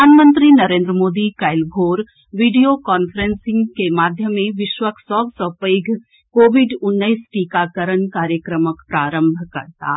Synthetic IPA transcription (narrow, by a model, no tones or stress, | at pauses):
aːnmə̃nt̪ɾinɐɾẽːnd̪ɾəmoːd̪ikaːɪlɡʱoːɾ | ʋiːɖijokɔːnfəɾẽnsɪ̃ŋɡkemaːd̪ʱjəmːẽʋɪʃwəksɔbsəpəːɡʱ | koːʋɪɖʊnːəɪsʈiːkakəɾənkaːɾjəkɾəməkpɾaːɾə̃mbʱkɐ̰ɾt̪a̰ː